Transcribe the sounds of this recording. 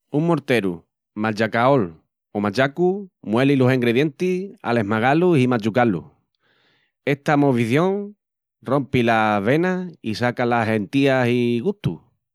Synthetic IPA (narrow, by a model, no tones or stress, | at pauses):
uŋmo̞ɾt̪e̞ɾṵ | mat͡ʃakao̞l | omat͡ʃakumwe̞lilusiŋɡɾeðje̞nt̪ia̰le̞ɦmaɣaluhimat͡ʃukalṵ | e̞ht̪amo̞βiθjõ̞ŋ | ro̞mpilaβe̞naisakalaɦe̞nt̪iasiɣut̪u